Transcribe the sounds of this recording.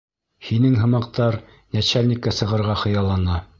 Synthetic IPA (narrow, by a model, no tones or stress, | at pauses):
hinɘŋɦɤ̆mɑq̚t̪ɑɾ | næt͡ɕælnʲikːæsɤ̆ʁɤ̆ɾʁɑχɤ̆jɑlˠɑnɑ